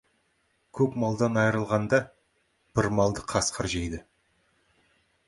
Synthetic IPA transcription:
kʲʰɵpmɑlˠd̪ɑnɑjɾəlˠʁɑnd̪ɑ | b̥ɪɾmɑlˠd̪əqʰɑsqʰəɾʒejd̪ɪ

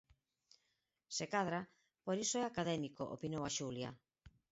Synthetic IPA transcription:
sekaðɾa | poɾisoɛakaðɛmiko̰ʔo̰pinowaʃulja̰

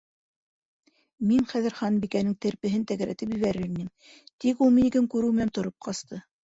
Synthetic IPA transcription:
miŋχæðɘɾχɑnbikænɘŋt̪ɘ̆ɾpɘ̆ɦɘnt̪æɣæɾæ̰t̪ɘpjɵ̆βæɾɘɾinɘm | t̪ikulˠminikɘŋkʉɾɘwmɘ̆nænt̪ŏɾop̚qʰɑst̪ʰɤ

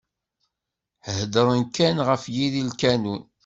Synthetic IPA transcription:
ħəhd̪əɾˤənkːænʁəfjiðilkænun

